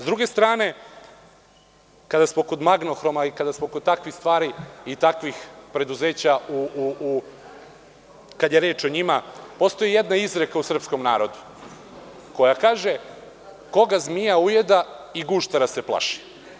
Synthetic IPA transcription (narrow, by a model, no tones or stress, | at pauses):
zd̪ɾuɡe̞st̪ɾaːne̞ | kad̪asmo̞ko̞d̪maɡno̞xɾo̞maikad̪asmo̞ko̞d̪t̪akʋixst̪ʋaːɾiit̪akʋixpɾe̞d̪uze̞ːt͡ɕau | kad̪jeɾeːt͡ʃo̞ɲimapo̞st̪o̞jijed̪naizɾe̞kausr̩psko̞mnaːɾo̞d̪u | ko̞jakaːʒe̞ | ko̞ɡazmijauje̞d̪aiɡuʃt̪aɾase̞plˠa̰ʃi̥